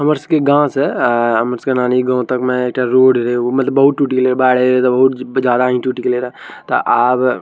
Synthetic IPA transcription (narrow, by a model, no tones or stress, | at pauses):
ɦəməɾskeɡãːseəməɾskanaːniɡãõt̪əkmɛ̃eːk̚ʈaɾoːɖɾəmɐt̪ləbəɦut̪̚ʈuːʈikeleːɾabaːɽ̤eeet̪ɔbəɦut̪d͡ʒjaːd̪aɦĩʈuːʈikeleːɾa | t̪ɔʔaːb